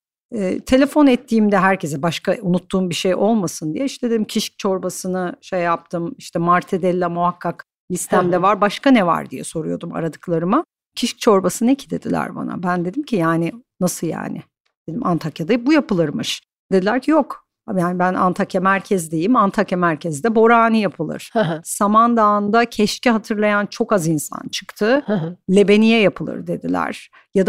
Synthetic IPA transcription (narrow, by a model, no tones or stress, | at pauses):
ɛ̰ːt̪ʰe̞lʲe̞fo̞nɛt̪ʰːiːmd̪ɛɦæɾce̞zɛbaʃkaunut̪ːuːmbiʃejo̞lˠmasɯnd̪ijɛiʃt̪ʰɛd̪ed̪imcʰiʃc̚t͡ʃʰo̞ɾbasɯnɯʃejːap̚t̪ʰɯmiʃt̪ʰɛmaɾt̪ʰed̪ɛlʲːɛmuhakʰːak | lʲist̪ʰæmd̪ɛvaɾbaʃkanɛva̰ɾd̪ijɛ̰so̞ɾujo̞̰d̪uma̰ɾad̪ɯklˠaɾɯma | cʰiʃc̚t͡ʃʰo̞ɾbasɯnɛcʰid̪e̞d̪ilʲæ̰ɾba̰na̰bænd̪e̞d̪imcʰijaːnɪnasɯja̰ːnɪ̰ | d̪̥e̞d̪imʔant̪ʰakjad̪abujapɯlˠɯɾmɯʃ | d̪̥e̞d̪ilʲæɾcʰijo̞k | ajaːnɪbæna̰nt̪ʰakjamæɾcʰɛzd̪ejimant̪ʰakjamæɾcʰɛzd̪ɛbo̞ɾaːnɯjapʰɯlˠɯ̰ɾ̥samand̪aːnd̪acʰɛʃciɦat̪ʰɯɾlˠajant͡ʃʰo̞kazinsa̰nt͡ʃʰɯ̥kt̪ʰɯlʲe̞be̞nijɛjapʰɯlˠɯ̰ɾd̪e̞d̪ilʲæ̰ɾ̥ | jad̪a